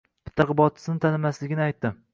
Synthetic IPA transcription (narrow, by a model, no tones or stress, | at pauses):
bʊ̥t̪ʰːaɾʁɨbɒt̪ʰɪ̥snɪt̪ʰanɪmaslɪɡʲɪnɪajt̪ːɪm